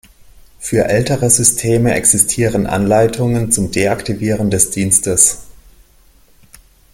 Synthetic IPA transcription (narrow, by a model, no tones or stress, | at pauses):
fyːɐʔɛltəʁəzʏstʰeːməʔɛ̰ksɪstʰiːʁənʔa̰nlaɪtʰʊŋənt͡sʊmdeːaktʰiviːʁəndɛsd̥iːnstəs